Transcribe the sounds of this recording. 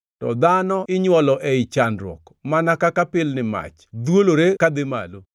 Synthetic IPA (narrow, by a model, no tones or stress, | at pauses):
tɔ̰d̪anɔɪɲwɔlɔʔɛɪt͡ʃanɾwɔ̰kmanakakapɪlnɪma̰t͡ʃd̪woloɾekad̪ɪma̰lo